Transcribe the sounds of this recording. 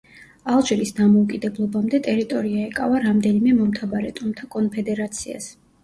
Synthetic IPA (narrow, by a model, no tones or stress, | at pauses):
alˠʒilisd̪amɔukʼid̪ɛblˠɔbamd̪ɛt̪ʼɛɾit̪ʼɔɾiaɛkʼa̰vaɾamd̪ɛnimɛmɔmt̪ʰabaɾɛt̪ʼumt̪ʰakʼɔnpʰɛd̪ɛɾat̪sʰia̰s